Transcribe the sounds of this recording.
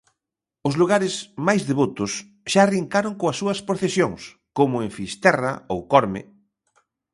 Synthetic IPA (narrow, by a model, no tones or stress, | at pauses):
ʊzluɣaɾɪsmajzðeβot̪ʊs | ʃaːriŋkaɾoŋkoɐsːuɐspɾoθesjoŋs | komʊeɱfist̪ɛrɐ̰owkɔɾmɪ̰